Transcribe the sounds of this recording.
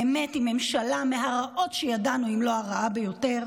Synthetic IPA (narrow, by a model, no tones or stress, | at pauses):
emetime̞mʃalameɦaʁaʔo̞tʃejadanuimloaʁaabejo̞te̞ʁ